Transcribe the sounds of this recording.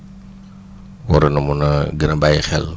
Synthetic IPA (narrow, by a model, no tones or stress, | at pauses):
wɔɾɐnɐmunɐɡənɐbajxɛl